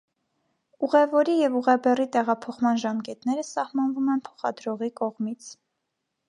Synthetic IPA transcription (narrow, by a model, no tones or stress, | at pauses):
uʁɛvɔɾijɛvuʁɛbɛrit̪ɛʁɑpʰɔχmɑnʒɑmkɛt̪nɛɾəsɑhmɑnvumɛnpʰɔ̥χɑ̰d̪ɾɔʁikɔʁmit͡sʰ